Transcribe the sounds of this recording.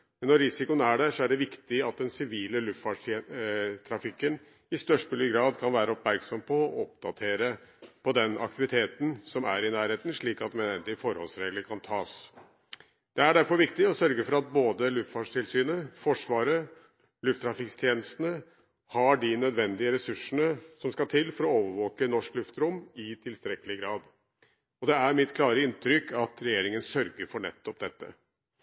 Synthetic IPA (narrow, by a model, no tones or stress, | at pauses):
mɛnːɔɾɪsɪkʊnæɖɛʂɔæɖɛʋɪkt̪ɪɑt̪̚d̪ɛnsɪʋiːləlʉft̪fɑʂ | t̪ʰɾɑfɪkːən | ɪst̪œʂpʉlɪɡɾɑːd̪kʰɑnʋæːɾəɔpmæɾksɔmpʰɔːɔp̚d̪ɑt̪ʰeːɾəpʰɔd̪ɛnɑ̰k̚t̪ɪʋɪt̪ʰeːt̪nsɔmæ̰ɾɪnæːɾheːt̪n̩ʂɭiːkɑt̪mɛɛnd̪ɪfɔɾhɔ̰lsɾeːɡləɾkʰɑnt̪ʰɑːs | d̪̥ɛæɖæɾfɔɾʋɪkt̪ɪɔsœɾɡəfɔɾɑt̪̚boːd̪əlʉft̪fɑʂʈʰɪlsyːnəfɔʂʋɑːɾə | lʉft̪ʰːɾɑfɪkst̪ʰjeːnəst̪ənə | hɑɖɪnœd̪ʋɛnd̪ɪəɾɛsʉʂənəsɔmskɑt̪ʰɪlːfɔɾɔoːʋəɾʋoːkənɔʂklʉft̪ɾʊmːɪt̪ʰɪlst̪ɾɛkəlɪɡɾɑːd̪ | ɔd̪ɛæɾmɪt̪kʰlɑːɾəɪnt̪ʰɾʏkʰːɑt̪ɾɛjeːɾɪŋənsœɾɡəɾfɔɳɛ̰t̪ːɔp̚d̪ɛt̪ːə̰